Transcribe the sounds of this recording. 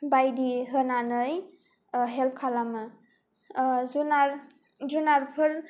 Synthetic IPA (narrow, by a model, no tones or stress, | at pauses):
bajdiɦɯnanɯj | ɦelp̚kʰalamɯ | zunaɾ | zunaɾpʰɯɾ